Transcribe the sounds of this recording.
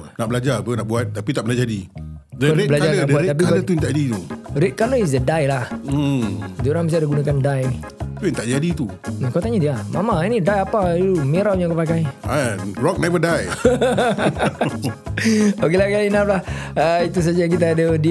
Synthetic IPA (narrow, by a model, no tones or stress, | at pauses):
naʔbəlad͡ʒakənaʔbuat̪̚ːapit̪aʔbənad͡ʒadi | dənebəlad͡ʒaanuaeap̬ialət̪uint̪aʔd͡ʒadit̪uɾet̪̚kaləis̬dədajlah̩ | d͡ʒoɾaŋmis̬aadəɡunakandaj | tunt̪aʔd͡ʒadit̪u | nakawt̪aɲadiamamainidajapaumeɾawjaŋkapakajarɔk̚nɛvədaj | okelakalinap̚lahəit̪us̬ad͡ʒajaŋkit̪̬aːdədi